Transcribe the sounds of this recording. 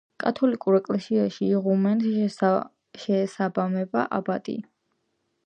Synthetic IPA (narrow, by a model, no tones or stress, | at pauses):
kʼat̪ʰɔlikʼuɾɛkʼlɛsiaʃiːʁumɛn | ʃɛːsabamɛba̰ʔa̰bat̪ʼḭ